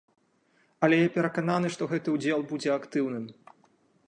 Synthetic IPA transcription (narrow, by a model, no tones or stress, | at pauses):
ɐlʲɛjapʲɛɾɐkananɨʂt̪ɔɣɛt̪ɨud͡zʲɛlˠbud͡zʲɛakt̪ɨwn̪ɨm